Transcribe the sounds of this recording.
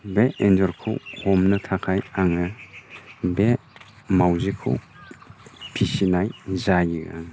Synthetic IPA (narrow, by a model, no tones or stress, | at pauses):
beenzɔɾkʰɯ̰whomnɯtʰakʰajaŋɯ | be | mawzikʰɯ̰w | pʰisinajzajiɡa̰ŋ